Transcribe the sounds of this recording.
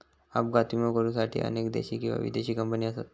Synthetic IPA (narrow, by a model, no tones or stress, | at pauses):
a̰p̚ɡat̪uməkəɾũːsaʈʰḭːʔə̰nekd̪ḛɕiːkĩʋa̰ʋḭd̪eɕiːkəmpəniːəsat̪